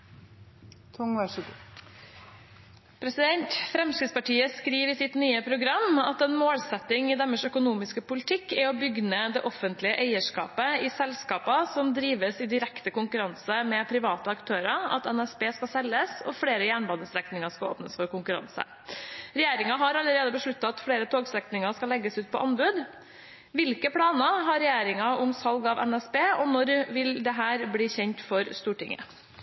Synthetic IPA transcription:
t̪ʰʊŋɡ | pʰɾɛsɪd̪ɛnt̪fɾɛmsɾɪd̪spɑʈʰiːəskɾiːʋɪsɪt̪nyːəpʰɾʊɡɾɑmːɑt̪ɛnmoːlsɛt̪ːɪŋɪd̪ɛmːəʂœkʊnuːmɪskəpʊlɪt̪ʰɪkːɪɔbʏɡnəd̪ɛʔɔfːənt̪lɪəʔeɪəʂkɑ̰ːpəɪsɛlskɑːpɑsɔmd̪ɾiːʋəsɪd̪ɪɾɛkt̪əkʊŋkʉɾɑnsəmɛpʰɾɪʋɑːt̪əɑkt̪ʰøːɾɑɑ̰t̪ɛnɛsbeːskɑsɛləsɔ̰fɽeːɾəjæːɳbɑnd̪əsɾɛknɪŋɑʂkɑo̰ːpnəsfɔɾkʊŋkʉɾɑ̰nsə̰ | ɾɛjeːɾɪŋɑɦɑɾɑləɾeːd̪əbəʂɭʉt̪ːɑɑt̪fɽeːɾət̪ʰoːɡsɛknɪŋɑʂkɑlɛɡːəsʉːt̪̚pʰɔ̰ʔɑnbʉːd̪ | ʋɪlkəpʰɽɑːnəɦɑɾɛjeːɾɪŋɑʊmsɑlɡɑʋɛ̰nɛsbeːɔnɔɾʋɪld̪ɛɦæːɾbliːçɛɲt̪fɔɾst̪uːʈɪ̰ŋə̰

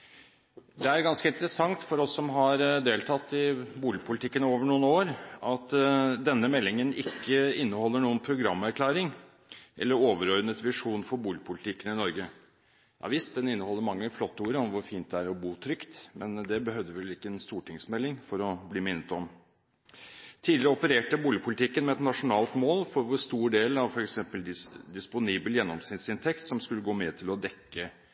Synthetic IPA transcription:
d̪ɛæɾɡɑnskəɪnt̪əɾəsɑŋt̪fɔɾɔsːɔmɦɑɾd̪eːlt̪ʰɑt̪ːɪbuːlɪpʰʊlɪt̪ʰɪkːənoːʋəɳuːənoːɾɑt̪d̪ɛnːəmɛlːɪŋənɪkːəɪnːəhɔlːəɳuːənpʰɾʊɡɾɑmːæɾkʰlæːɾɪŋ | ʔɛ̰lːəɾoːʋəɾɔɾnət̪ʋɪʂuːnfɔɾbuːlɪəpʰʊlɪt̪ʰɪkːənɪnɔɾɡə | jɑ̰ʋɪst̪̚d̪ɛnɪnːəhɔlːəmɑŋːəflɔt̪ːuːɾəɔmʋʊɾfiːnt̪̚d̪ɛæɾɔbuːt̪ʰɾʏkt̪mɛnd̪ɛbəɦœʋd̪əʋɛlɪkːəɛnst̪uːʈʰɪŋsmɛlːɪŋfɔɾɔbliːmɪnːət̪ɔm | t̪ʰiːd̪ɪɾəɔpəɾeːʈəbuːlɪəpʰʊlɪt̪ʰɪkːənmɛɛt̪nɑʂʊnɑːlt̪moːlfɔɾʋʊɾst̪uːɖeːlɑʋfɔɾɛksɛmpəld̪ɪd̪ɪspʊniːbəljɛnːɔmsnɪt̪sɪnt̪ʰɛkt̪sɔmskʉlːəɡoːmɛt̪ʰɪlɔd̪ɛkːə

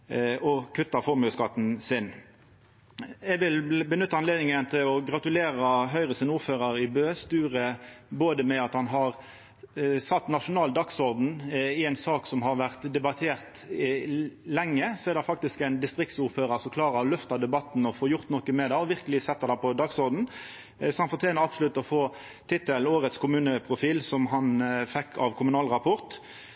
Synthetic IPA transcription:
ɔkʰʉt̪ːɑfɔɾmʉskɑt̪n̩sɪn | ɛɡʋɪlbənʉt̪ːɑnleːd̪nɪŋənt̪ʰɪlɔɡʁɑt̪ʉleːʁɑɦœʏʁəsɪnuːʁføːʁəɾɪbøːst̪ʉːʁəboːd̪əmɛɑt̪hɑnɦɑʁ | sɑt̪ːnɑʃʊnɑːld̪ɑksɔɾd̪n̩ɪɛɪnsɑːksɔmɦɑɾʋæʁt̪d̪ɛbɑt̪ʰeːʁt̪ | lɛŋːəsɔɛɾd̪ɛfɑk̚t̪ɪskæɪnd̪ɪst̪ɾɪk̚t̪sʊːɾføːɾəɾsɔkʰlɑːʁəɔlœft̪ɑd̪ɛbɑt̪n̩ɔfoːjʊʁt̪nɔkːəmɛd̪ɛɔʋɪʁkəlɪsɛt̪ːəd̪ɛpʰɔd̪ɑɡsɔɾd̪n̩ | sɔhɑnfɔʁt̪ʰɛːnəɾɑbsʊlʉt̪ːɔfoː | t̪ʰɪt̪ːəloːɾət̪skʰʊmʉːnəpʰʁʊfiːlsɔmɦɑnfɛkʰːɑʋkʰʊmʉnɑːlʁɑpʰɔʁt̪

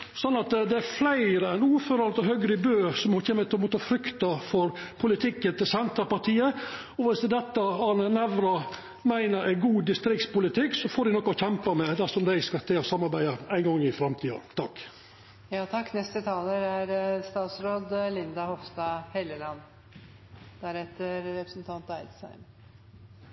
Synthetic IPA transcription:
sɔnːɑt̪d̪ɛæɾflæɪɾəɛnuːɾføːɾɑnt̪ɔɦøɡɾəɪbøːsɔmhɔçeːmət̪ʰmoːt̪ʰɑfɾʏkt̪ɑfɔɾpʰʊlɪt̪ʰɪkːənt̪ɪlsɛnt̪ɾəpɑʈʰiːə | ɔʋɪsd̪ɛt̪ːəhɑnənæʋɾɑ | mæɪnəɾʔæɪɡuːd̪ɪst̪ɾɪk̚t̪spʊlɪt̪ʰɪkːsɔfoːd̪ɪnɔkːɔçɛmpəmɛd̪æsɔmd̪æɪskɑt̪ʰeɔsɑmːɑɾbæɪd̪əæɪŋɡɔŋːɪfɾɑmt̪ʰiːɑ̰t̪ʰɑkː | jɑːt̪ʰɑkːnɛst̪ət̪ʰɑːləɾæɾst̪ɑːt̪sɾoːd̪lɪnd̪ɑhɔʋst̪ɑhɛləlɑnː | d̪̥æɾɛt̪ːəɾɾɛpɾəsnt̪ʰɑnt̪æɪd̪sæ̰ɪm

